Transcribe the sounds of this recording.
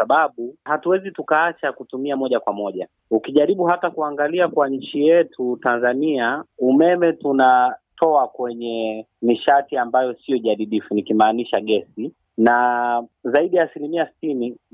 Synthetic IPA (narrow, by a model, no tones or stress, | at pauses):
aɓaɓuhatuwɛzitukaat͡ʃakutumiamɔʄakwamɔʄa | ukiʄaɾiɓuhatakuaŋɡaliakwaɲ̩t͡ʃijɛtʰutanzaniaumɛmɛtunatʰɔakwɛɲɛ | miʃatiambajɔsiɔʄaɗiɗifunikimaːniʃaɠɛsi | na | zaiɗijaːsilimiasi̥tini